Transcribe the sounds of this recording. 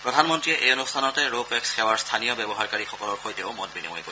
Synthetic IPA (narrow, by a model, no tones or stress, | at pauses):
pɹɔdʱanmɔntɹiɛʔejɔnustʰanɔtɛɹopɛksxɛwaɹstʰanijɔbɛbɔɦaɹkaɹixɔkɔlɔɹxojtɛʊmɔt̚bɹinḭmɔ̰jeko